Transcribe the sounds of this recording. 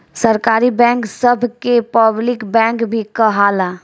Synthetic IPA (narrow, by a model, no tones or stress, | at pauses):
sɐɾkaːɾibɛ̃ːŋksɐbʱkepəblɪkbɛ̃ːŋkbʱikɐɦaːlaː